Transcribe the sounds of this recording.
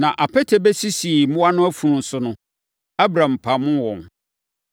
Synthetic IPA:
nã˨ʔa˨pʰɛ˦tʰe˨bɛ˦si˦si˨mʊ̃˦a˦nʊ̃˦æ˦fũ˨nũ˨n̩˨sʊ˦nʊ̃˦ | a˦bɾã˨m˨pʰa˨mʊ̃˦wɔ̃˨n

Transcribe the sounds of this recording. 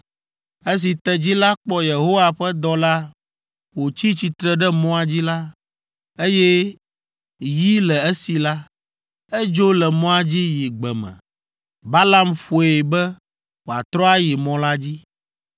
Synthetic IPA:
e˦s̬i˨t̪ɛ˦d͡ʑi˦la˦k͡pɔ˦je˨ɦo˦wa˨ɸɛ˦d̪ɔ˨la˦ | wo˨t͡ɕi˦t͡ɕi˨t̪ɾɛ˨ɖɛ˦mɔ̃˦a˨d͡ʑi˦la˦ | e˦jɛ˦ | ji˦lɛ˨e˦si˨la˦ | ɛ˦d͡ʒo˦lɛ˨mɔ̃˦a˨d͡ʑi˦ji˨ɡ͡bɛ˨mɛ̰̃˨ | ba˦la˦mɸo˨e˨bɛ˦ | wo˨a˨t̪ɾɔ˦a˦ji˨mɔ̃˨la˦d͡ʑi˦

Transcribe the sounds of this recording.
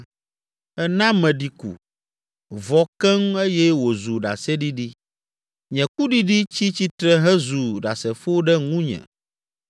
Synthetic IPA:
ɛ˦nã˦mɛ̃˨ɖi˨kṵ˨ | vɔ˨kɛ˦m˦e˦jɛ˦wo˨zu˨ɖa̰˨sɛ˦ɖi˦ɖi˦ | ɲɛ̃˨ku˦ɖi˦ɖi˦t͡ɕi˦t͡ɕi˦t̪ɾɛ˦ɦɛ˦zu˨ɖa˨sɛ˨fo˦ɖɛ˦ŋũ˦ɲɛ̰̃˨

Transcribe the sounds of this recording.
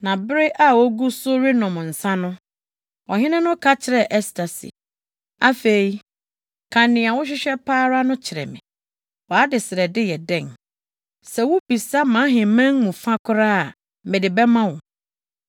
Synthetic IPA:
nã˨bɪ˦ɾɪ˦ʔa˦wɔ˦ɡu˦sʊ˦ɾɪ˦nɔ̃˨m˨n̩˨sã˦nʊ̃˦ | ɔ˨ɦɪ̃˦nɪ̃˦nʊ̃˦kʰa˦t͡ɕʰɪ˨ɾɛ˨ʔɛ˦stʰa˨sḭ˨ | a˦fe˨i˨ | kʰã˨nɪ̃˨a˨wʊ˦ɕ̬ᶣɪ˦ɕᶣɛ˦pʰaː˦ɾa˦nʊ̃˦t͡ɕʰɪ˨ɾɛ̰˨mɪ̃˨ | wɔ˨a˦dɪ˨sɪ˨ɾɛ˨dɪ˦jɛ˨dɛ̃˨ŋ | sɛ˨wʊ˦bi˨sa˦mã˨˦ɦɪ̃˨mɛ̃˦ŋmũ˨fã˦kʰʊ˦ɾa˦˨ | mɪ̃˨dɪ˨bɛ˦mã˦wʊ̃˨

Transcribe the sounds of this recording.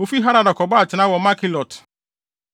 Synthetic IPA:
o˨fi˦ɦa˦ɾa˨dɔ˨kɔ˨ba˦˨t͡ʃɪ˨na˦wɔ˨˦ma˦ki˦lɔ˨t

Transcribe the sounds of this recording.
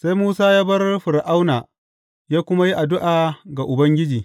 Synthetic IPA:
sa˦jmuː˦saː˦jaː˦bɐ˦rɸɪ˨ɾʔa˦wnaː˨ | jaː˦kʷʊ˦ma˦ji˦ʔa˨dʊ˦ʔaː˨ɡa˨ʔʊ˨bɐ˦ŋɡʲɪ˦d͡ʒiː˨

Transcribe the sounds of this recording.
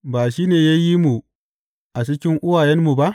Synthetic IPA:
baː˨ʃiː˦neː˨ja˦ji˦mu˨ | ʔa˨t͡ʃɪ˦kʲɪ˦ŋʔʊ˦waː˨jɛ˦mmu˨ba˦ʔ

